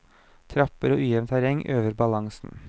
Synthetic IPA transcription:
t̪ʰɾɑpəɾo̰ːʔʉːjɛʋnt̪ʰæɾjɛŋʔøːʋəɾbɑlɑŋsn̩

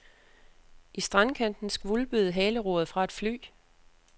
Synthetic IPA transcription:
ʔisd̥ʁɑ̈nkʰæn̰d̥n̩sɡ̥ʋulb̥yð̩ˠɦɛːləʁoːð̩ˠfʁɑ̈e̝d̥fly̰ː

